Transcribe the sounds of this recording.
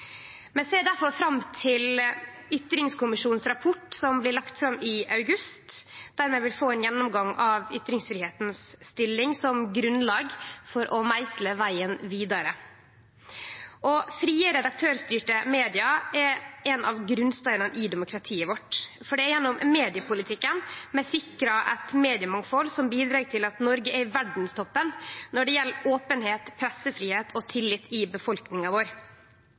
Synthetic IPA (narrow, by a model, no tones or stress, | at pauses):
mɛseːd̪æɾfɔɾfɾɑmt̪ʰɪl | ʏt̪ɾɪŋskʰʊmɪʂuːn̩sɾɑpʰɔʈsɔmblɪɾɭɑkt̪fɾɑmːɪɑʉɡʉst̪d̪̥æːɾmɛʋɪlfoːɛnjɛnːʊmɡɑŋɑʋʏt̪ɾɪŋsfɾɪːheːt̪nsːt̪ɪlːɪŋsɔmɡɾʉnlɑːɡfɔɾʔɔmæɪsləʋæɪənʋiːd̪ɑɾə | ʔɔfɾiːəɾɛd̪ɑk̚t̪ʰøːɾst̪yːʈəmeːd̪ɪɑɛɾɛnɑʋɡɾʉnst̪œɪnəʔɪd̪ɛmʊkʰɾɑt̪ʰiːəʋɔʈ | fɔɖɛɛjɛnːɔmmeːd̪ɪəpʰʊlɪt̪ʰɪkːənmɛsɪkɾɑʔɛt̪meːd̪ɪəmɑŋfɔlsɔmbiːd̪ɾɑːɡt̪ʰɪlɑt̪nɔɾɡəʔæɾʋæɖɳ̩st̪ʰɔpːənnɔɖɛjɛlːoːpənheːt̪pʰɾɛsːəfɾiːheːt̪ʰɔt̪ʰɪlːɪt̪ʰːɪbəfɔlknɪŋɑʋoːɾ